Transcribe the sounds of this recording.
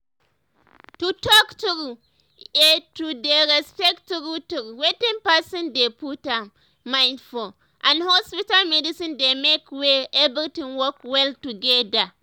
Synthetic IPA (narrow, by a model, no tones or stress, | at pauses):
tutɔktuɾu | etudeɾɛspɛktuɾutuɾwetĩŋpasĩndeputam | maɪnfɔ | ʔãnhɔspitalmɛdisĩndemekweɛbiltĩnwɔkwɛltuɡɛda